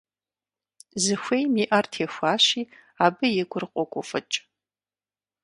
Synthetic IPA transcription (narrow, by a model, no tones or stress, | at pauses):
zɨxʷejmiːʔɐrtʰeːxʷaːʃiː | aːbɨjɛɡʷʰʊrɨqʷʼɔkʷʼʊ̰fɐ̰t͡ʃʼ